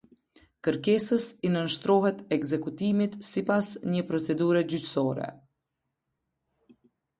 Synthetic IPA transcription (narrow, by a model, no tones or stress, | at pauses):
kəɾkɛsəsinənʃt̪ɾɔɦɛt̪ɛɡzɛkut̪imit̪sipasɲəpɾɔt͡sɛd̪uɾəd͡ʑycsɔɾɛ̰